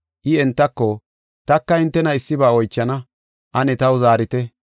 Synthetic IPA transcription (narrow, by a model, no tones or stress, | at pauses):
ʔɪɛnt̪ːɐkːɔ | t̪ɐkːɐɪnt̪ːɛnɐɪsːɪbaːɔjt͡ʃːɐnɐ | ʔɐnɛt̪ɐwzaːɾɪt̪ɛ